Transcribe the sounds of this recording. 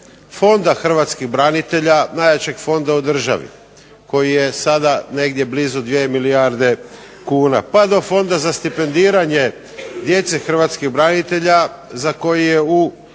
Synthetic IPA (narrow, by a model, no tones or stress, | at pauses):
fo̞nd̪axr̩ʋat̪skiɣbɾanit̪e̞ʎanajat͡ɕe̞ɡfo̞nd̪aud̪r̩ʒa̰ʋḭ | ko̞jije̞sad̪ane̞ɡd̪je̞blizud̪ʋiemiliaɾd̪e̞ | kuːna̰pad̪o̞fo̞nd̪azast̪ipe̞nd̪iːɾaɲe̞ | d̪je̞t̪sexr̩ʋat̪skiɣbɾanit̪e̞ʎa | zako̞jijeu